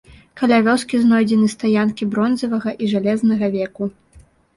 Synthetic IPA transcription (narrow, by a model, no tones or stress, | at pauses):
kɐlʲavʲɔskʲiznɔjd͡zʲɛnɨst̪ajankʲibɾɔnzɐvɐɣɐʔiʐalʲɛznɐɣɐvʲɛku